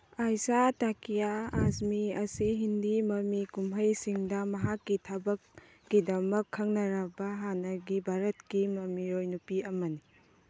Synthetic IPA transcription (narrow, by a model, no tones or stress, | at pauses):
ajsatakijaːsmiɐsiɦindimɐmikumɦɐjsiŋdɐmɐɦakːitʰabɐkː | idɐmɐkʰːɐŋnɐɾɐbɐɦanɐɡibʱaɾɐt̚kimɐmiɾojnupiɐmɐni